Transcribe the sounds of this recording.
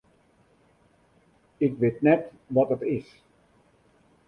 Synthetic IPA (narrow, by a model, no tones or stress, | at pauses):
ɪkʋetnɛt | ʋɔtətɪs